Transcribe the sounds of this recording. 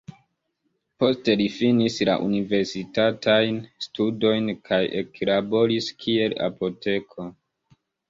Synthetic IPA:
po̞ste̞lifinisla̰ʔṵnive̞ɾsitatʰajnstudo̞jnkʰajḛklabo̞ɾiskʰie̞la̰po̞te̞kʰo̞

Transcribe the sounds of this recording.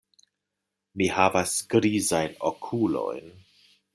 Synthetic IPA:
mihavasɡɾizajnokʰulo̞̰jn

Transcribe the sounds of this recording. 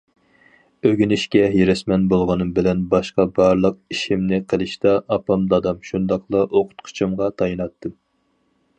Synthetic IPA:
øɡʲynɪʃkʲɛɦeɾɛsmɛnbolˠʁɑnɨmbɪlɛnbɑʃqɑbɑɾlˠəq̚iʃimnɪqʰəlˠɨʃt̪ɑʔɑpɑmd̪ɑd̪ɑmʃund̪ɑqlˠɑʔoqʰʊ̥t̪qʰʊ̥t͡ʃʰɨmʁɑt̪ʰɑjinɑt̪ʰːɨm

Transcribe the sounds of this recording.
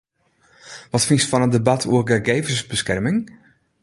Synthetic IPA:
ʋɔtfinstfɔnəndəbatʰuəɡəɡejvəsbəskɛrmɪŋ

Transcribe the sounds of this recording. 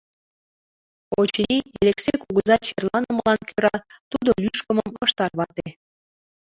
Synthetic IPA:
ot͡ɕnʲielʲeksekuɣəzɑt͡ɕerlɑnəməlɑnkʰøɾɑt̪ud̪olyʃkə̆məmɤʃt̪ɑrβɑt̪e

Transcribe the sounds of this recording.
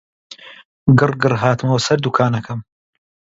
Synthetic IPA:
ɡɨrɡɨrɦaːt̪ɨmɐwɐsɐɾd̪ukʰaːnɐkʰɐm

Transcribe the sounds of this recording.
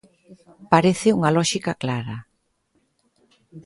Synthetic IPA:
paɾeθɪuŋalɔʃikaklaɾɐ

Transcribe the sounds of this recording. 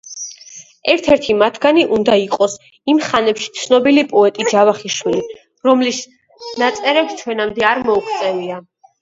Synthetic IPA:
ɛɾt̪ʰɛɾt̪ʰimat̪ʰɡaniʔund̪aiqʼɔs | imχanɛpʃi̥t̪sʰnɔbilipʼɔɛt̪ʼid͡ʒavaχiʃwili | ɾɔmlis | nat̪sʼɛɾɛpt͡ʃʰwɛnamd̪ɛaɾmɔukʰt̪sʼɛvia

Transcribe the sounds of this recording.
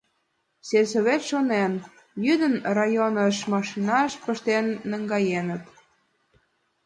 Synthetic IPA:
sesoβet̪ʃonen | jyd̪ənrɑjonəʃmɑʃinɑʃpəʃt̪enːəŋɡɑjenət̪

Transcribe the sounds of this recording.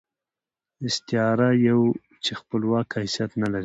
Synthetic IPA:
ɪst̪ɪɑɾajaw | t͡ʃexpəlwɑkasjat̪nalaɾi

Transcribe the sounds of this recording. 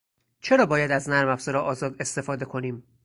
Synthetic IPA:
t͡ʃʰe̞ɾɒːbɒːjæd̪æznæɾmæfz̥eɾɒːʔɒːzɒːd̪e̞st̪e̞fɒːd̪e̞kʰo̞niːm

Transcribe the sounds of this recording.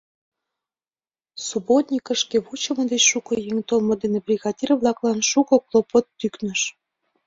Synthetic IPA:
subot̪nʲikəʃkeβut͡ɕə̆mə̆d̪et͡ɕʃukojeŋt̪olmod̪enebrʲiɣɑd̪ʲirβlɑklɑnʃukɤ̆klˠopot̪ːyknəʃ

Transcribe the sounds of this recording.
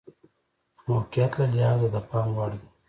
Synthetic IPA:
moqɪjat̪lalɪhɑzad̪əpɑŋwɑɽid̪i

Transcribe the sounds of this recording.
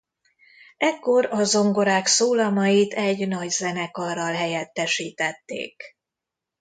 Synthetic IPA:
ɛkːo̞ɾɒzo̞ŋɡo̞ɾaːksoːlɒmɒjit̪ɛɟnɒɟzɛnɛkɒrɒlɦɛjɛt̪ːɛʃiːt̪ɛt̪ːḛːk

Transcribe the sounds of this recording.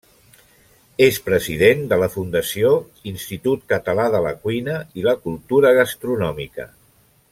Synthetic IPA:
espɾəziðend̪ələfund̪əsio | inst̪it̪ut̪̚kət̪əlaðələ̰kwinəiləkulˠt̪uɾəɣ̞əst̪ɾunɔmikə̰

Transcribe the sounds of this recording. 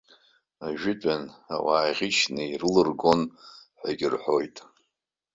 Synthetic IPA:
aʒᶣɪtʼana̰waːʁʲiʃnɨirɨlɨrɡo̞nħʷaɡʲɪrħʷo̞jtʼ

